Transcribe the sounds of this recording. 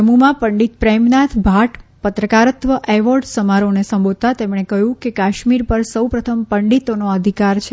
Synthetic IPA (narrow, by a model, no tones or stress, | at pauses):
əmumãpəɳɖit̪̚pɾɛmnat̪ʰbʱaʈpət̪ɾəkaɾət̪ʋəʔɛʋɔɾɖsəmaɾonesəmbʱod̪̚t̪at̪emɳekəjũkekaʃmiɾpəɾsəwpɾət̪ʰəmpəɳɖit̪onoəd̪ʱikaɾt͡ʃʰe